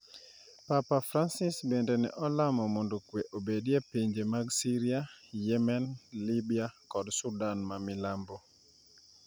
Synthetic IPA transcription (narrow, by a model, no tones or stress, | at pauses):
papafɾansɪsbendɛnɛ̰ʔɔlamɔmondokweʔobedjepiɲd͡ʒemaɡsiɾiajɛmɛnlibiakɔdsudanmamɪlambo